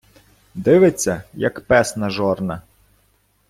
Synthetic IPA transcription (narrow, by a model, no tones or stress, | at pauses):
d̪ɪʋet͡sʲːɐjɐkpɛsnɐʒɔrnɐ